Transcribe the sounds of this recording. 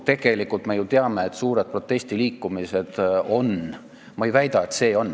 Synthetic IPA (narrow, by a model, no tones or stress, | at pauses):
t̪e̞ɡ̥e̞likːˑult̪me̞jut̪eɑme̞et̪ːˑsuːɾe̞d̪̚pro̞t̪ːˑe̞sʲt̪iliːkˑːumise̞d̪̥o̞n | mɑejvæjd̪̥ɑet̪se̞ːo̞n